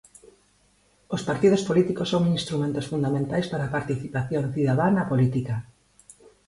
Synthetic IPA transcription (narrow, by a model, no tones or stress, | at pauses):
ospaɾt̪ið̞ospolit̪ikosoŋinst̪ɾumẽnt̪osfund̪amẽnt̪ajspaɾaːpaɾt̪iθipaθjonθiðaðanapolit̪ika